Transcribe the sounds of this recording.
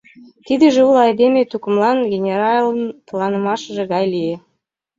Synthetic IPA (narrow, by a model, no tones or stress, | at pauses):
t̪id̪ĕʒeulˠɑjd̪emʲet̪ukəmlˠɑnɡʲenʲeɾɑlˠənplˠɑnəmɑʃəʒĕɡɑjlije